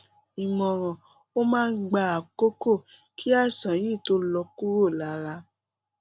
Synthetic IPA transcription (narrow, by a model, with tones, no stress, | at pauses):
i˨mɔ̃˨ɾ̃ɔ̃˨ | o˦mãː˦˧n̩˦ɡ͡ba˧a˨ko˦ko˦˨ | kʰi˦a˦˨sã˨˦jĩ˦˨to˨˦lɔ˧ku˦ɾo˦˨la˨˦ɾa˧